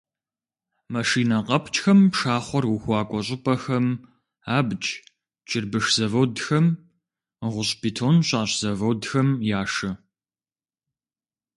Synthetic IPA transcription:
mɐʂiːnɐqʼɐpʰt͡ʃʼxɐmʂaːχʷɔrwuxʷɑːkʷʼɔɕ̬ʼɪpʼɐxɐm | aːbt͡ʃʼ | t͡ʃʼɪrbɨʂz̥ɐvowdxɐm | ʁʷʊɕpʰitʰoːnɕʼɑːɕz̥ɐvɐwdxɐmjaːʂɐ

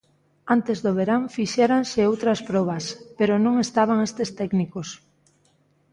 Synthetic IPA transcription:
ant̪ezðoβ̞eɾaŋfiʃɛɾansɪowt̪ɾɐspɾɔβɐspeɾoʊnõŋest̪aβ̞aŋest̪est̪ɛknikos

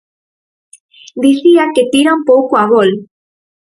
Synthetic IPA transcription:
d̪iθiaket̪iɾaumpowkoaβol

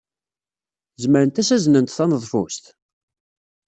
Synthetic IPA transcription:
zməɾənt̪æsæznənt̪θɑnəðˤfṵst̪

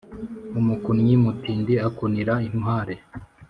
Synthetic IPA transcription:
umukunɲimutiːndiakuniɾaimhaːɾe

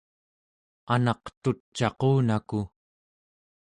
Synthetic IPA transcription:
anɑqt̪ut͡ʃːɑquːnaku

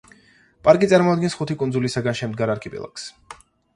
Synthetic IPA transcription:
pʼaɾkʼit̪sʼaɾmɔad̪̚ɡɛnsχut̪ʰikʼunzulisaɡanʃɛmd̪ɡaɾaɾkʰɛpʼɛ̰lˠa̰ks

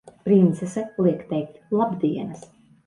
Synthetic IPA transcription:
pɾint̪sɛsɛlˠiɛkt̪ɛjk̚t̪lˠabd̪iɛnɐs

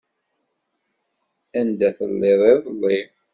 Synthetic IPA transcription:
ænd̪æθə̰lːɪðˤɪðˤlːi

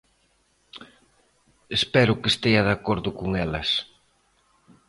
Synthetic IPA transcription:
espɛɾʊkest̪ejɐðakoɾðʊkoŋɛlɐs

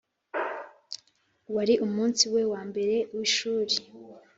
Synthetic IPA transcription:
waɾiʔumuːnsiwe̞waːmbe̞ɾe̞wiʃuːɾe

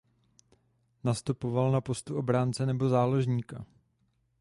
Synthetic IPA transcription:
nast̪upo̞valnapo̞st̪uʔo̞bɾaːnt͡sɛnɛbo̞zaːlo̞ʒɲiːka

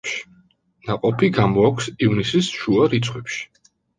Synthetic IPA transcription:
ʃi̥ | naqʼɔpʰiɡamɔakʰʷsivnisisʃuaɾit̪sʰχwɛpʃi̥

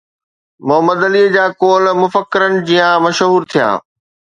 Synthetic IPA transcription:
mʊɦəməd̪ɐliːd͡ʑaːkoːlmʊfəkːɪɾənɪ̆d͡ʑijãmɐʃɦuːɾt̪ʰijã̰ː

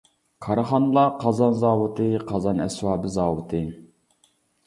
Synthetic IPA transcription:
kʰɑɾəχɑnɨlˠɑqʰɑzɑnzɑːwʊt̪ʰɨqʰɑzɑnɛswɑːbɨzɑːwɨt̪ʰɨ

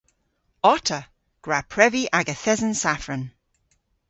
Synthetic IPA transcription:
ɔtʰə | ɡ̥ɹapʰɹɛviʔaɡəθɛzənsafɹən

